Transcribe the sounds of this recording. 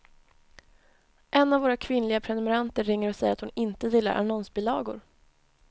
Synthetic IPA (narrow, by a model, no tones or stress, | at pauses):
ʔɛnːavoːɾakʰvɪnlɪɡapʰɾɛnɵmɛɾant̪əɾːɪŋːəɾɔsɛjəɾat̪hʊnɪnt̪əj̪ɪlːa̰ɾʔa̰nɔnsbɪlɑːɡʊɾ